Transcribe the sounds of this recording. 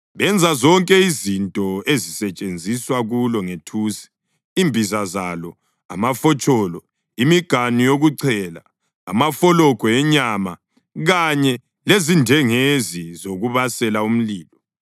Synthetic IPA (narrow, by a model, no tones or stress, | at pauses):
βɛnd͡zʱazɔŋkʼɛizintʼɔezisɛt͡ʃʼend͡zʱiswaɣulɔŋetʰuːsi̥ː | mbʱizazalɔ | a̰mafɔt͡ʃʼɔːlɔ | imiɡ̥ʱanijoɣuǀʰɛːla̰ː | mafɔlɔkɔɛɲama̰ | ɣaɲɛ | lezindʱɛŋezizoɣuβasɛlaum̩liːlɔ